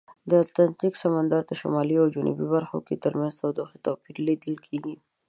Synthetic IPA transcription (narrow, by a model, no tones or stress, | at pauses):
d̪ət̪lant̪iksamand̪ɑɾt̪əʃa̰mɑliawd͡ʒʊnʔṵbibaɾxo̰ket̪əɾmanzt̪awd̪oxit̪opiɾlid̪əlkʰeɡi